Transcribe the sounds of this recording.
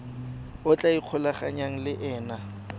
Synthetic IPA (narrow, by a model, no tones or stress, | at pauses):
ʊt͡ɬʼaiq͡χʰʊlaχaɲaŋ̩lɪʔɛːna